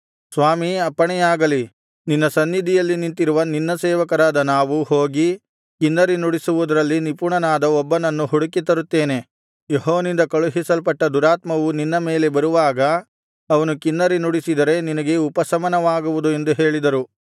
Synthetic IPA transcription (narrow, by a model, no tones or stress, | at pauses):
sʋaːmiɐpːɐɳɛjaːɡɐli | ninːɐsɐnːid̪ʱijɐlːinint̪iɾuʋɐninːɐsɛːʋɐkɐɾaːd̪ɐnaːʋuho̞ːɡi | kinːɐɾinuɽisuʋud̪ɐɾɐlːinipuɳɐnaːd̪ɐɔbːɐnɐnːuɦuɽukit̪ɐɾut̪ːeːne̞ | jeɦɔːʋɐnind̪ɐkɐɭuɦisɐlpɐʈːɐd̪uɾaːt̪mɐʋuninːɐme̞ːle̞bɐɾuʋaːɡɐ | ɐʋɐnukinːɐɾinuɽisid̪ɐɾe̞ninɐɡe̞upɐsɐmɐnɐʋaːɡuʋud̪ue̞nd̪uɦe̞ːɭid̪ɐɾu